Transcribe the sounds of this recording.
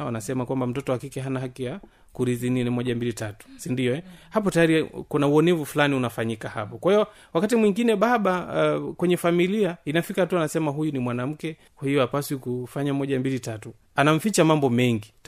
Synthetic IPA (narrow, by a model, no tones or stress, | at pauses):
wanasɛmakwambam̩tɔtɔwakikɛɦanaɦakija | kuɾizininimɔʄambilitatu̥sindiɔɛhap̬ɔtajaɾikunauɔnɛvufulaniunafaɲikahapɔkwahijɔ | wakatimwiŋɡinɛɓaɓakwɛɲɛfamiliainafikatuanasɛmaɦujunimwanam̩kɛ | kwahijɔapaswikufaɲamɔʄambilitatu | anam̩fit͡ʃamambɔmɛŋɡit